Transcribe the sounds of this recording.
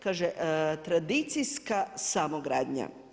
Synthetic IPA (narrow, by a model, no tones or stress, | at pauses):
kaːʒeʔt̪ɾad̪it̪sijskasamoɡɾaːd̪ɲa̰